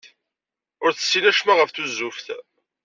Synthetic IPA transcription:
ʊɾθə̥sːinæʃmæʁəfθuzːufθ

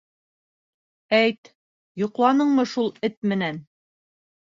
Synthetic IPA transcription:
æjt̪ | jŏqlˠɑnɤɴmɤʃulˠɘt̪mɘ̆næn

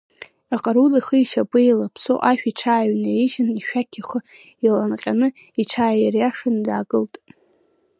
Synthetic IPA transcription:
aqʼaɾuliχəiʃapʼɨilapʰso̰ʔaʃᶣiʈ͡ʂʰaːɥnaeʒɪniʃᶣakʲʰaχə | ilanqʲʼanɨ | iʈ͡ʂʰaːjjarjaʂɨndaːkʼɨltʼ

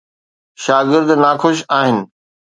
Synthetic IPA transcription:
ʃaːɡɪɾd̪nakʰʊʃaːɦɪnɪ̆

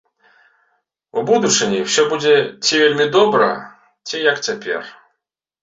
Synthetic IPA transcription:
ubud̪ut͡ʂɨnʲiwsʲɔbud͡zʲɛt͡sʲivʲelʲmʲid̪ɔbɾɐ̰ | t͡sʲijɐkt͡sʲapʲɛ̰r

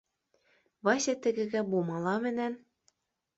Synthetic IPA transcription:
βɑɕɘ̆t̪ɘ̆ɣɘ̆ɣæ̆bumɑlɑmɘ̆næn

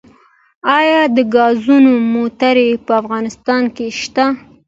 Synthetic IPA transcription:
ɑjɑd̪əɡɑzunomot̪aɾepəafɣɑnɪst̪ɑnkeʃt̪a

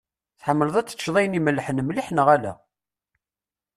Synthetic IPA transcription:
θħəmːələðˤæt͡sːə̥ʃðˤɑjəniməlːħənmliħnəʁælæ̰

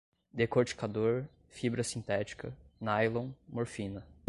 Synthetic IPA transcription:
d̪ekoɾt͡ʃi̥kad̪oɾ | fibɾɐsĩnt̪ɛt͡ʃi̥kɐnajlõw̃moɾfĩnɐ

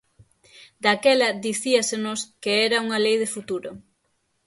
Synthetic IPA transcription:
d̪akɛlɐd̪iθiɐsenʊskeɛɾɐuŋɐlejðɪfut̪uɾʊ

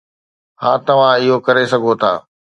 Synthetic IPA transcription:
hãːt̪ɐʋ̤ãɪɦokɐɾesɐɡʱot̪ʰa̰ː

